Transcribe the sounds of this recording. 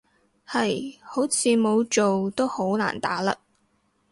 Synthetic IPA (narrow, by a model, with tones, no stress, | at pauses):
hɐ˨jho˨˥wt͡sʰiː˨˧mo˨˧wt͡ʃo˨wt̪o˥who˨˥wla̰ː˨˩nt̪a̰ː˨˥la̰ː˧